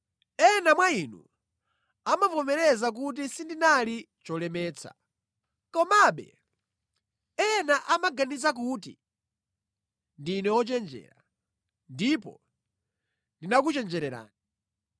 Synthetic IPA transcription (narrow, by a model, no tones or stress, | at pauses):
ɛnamwainṵ | amapɔmɛɾɛzak̬ut̬isindinali | t͡ʃɔlɛmɛːt͡sʰa̰ | kɔmaɓɛ̰ | ɛnaʔamaɡanizak̬uːt̬ḭ | ndinɛwɔt͡ʃɛnd͡ʒɛ̰ːɾa | ndipɔ̰ | ndinak̬ut͡ʃɛnd͡ʒɛɾɛɾa̰ːni